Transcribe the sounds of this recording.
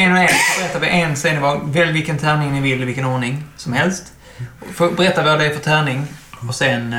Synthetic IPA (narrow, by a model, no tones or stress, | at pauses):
ɛnɛnfoːbɛɾɛt̪ːavɛʔɛnsɛjənɪvɑvɛlvɪlkənt̪ʰæːnɪŋnɪvɪlːɪvɪlkːənɔːɳɪŋsɔmhɛlst̪ | ɔfobɛɾɛt̪ːavoːd̪ɛjfœt̪ʰæːɳɪŋɔsɛn